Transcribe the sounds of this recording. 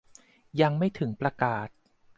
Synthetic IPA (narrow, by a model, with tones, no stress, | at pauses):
ja˧ŋma˥˩jt̪ʰɯ˩˦ŋpɾa˧kaː˨˩t̪̚